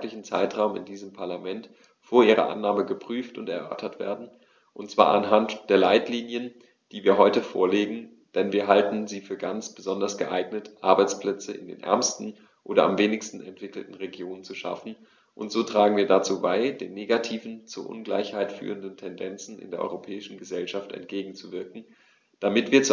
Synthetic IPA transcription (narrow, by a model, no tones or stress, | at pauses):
lɪçn̩t͡saɪtʁ̥aʊmɪ̰ndiːzəmpʰaɐlamɛnt | foːɐʔiːʁɐ̰ʔa̰nːaːməɡəpʁ̥yːftʊntɛɐʔœɐtʰɐtv̥ḛːɐdn̩ | ʔʊntt͡sv̥a̰ːʔanɦantd̥eːɐlaɪtliːnjən | d̥iːviːɐɦɔʏtəfo̰ːɐleːɡŋ̩ | d̥ɛnviːɐɦaltn̩ziːfyːɐɡant͡sb̥əzɔndɐsɡ̥əʔaɪɡnətʔaɐbaɪt͡spl̥ɛt͡səʔɪ̰ndḛːnʔɛ̰ɐmstn̩ | ʔoːɾɐamveːnɪçstn̩ɛntv̥ɪkl̩tn̩ʁeɡjoːnənt͡suʃa̰fn̩ | ʔʊntz̥oːtʁ̥aːɡŋ̩viːɐdat͡suːbaɪd̥eːnːeːɡatʰiːvn̩t͡suɐʔʊ̰nɡla̰ɪçhaɪtfy̰ːʁəndntʰɛndɛnt͡sn̩ʔɪ̰ndeːɐʔɔ̰ʁopʰɛːɪʃn̩ɡəzɛlʃaftɛ̰nt̚ɡ̥eːɡŋ̩t͡suvɪɐkŋ̩ | d̥amɪtv̥iːɐt͡s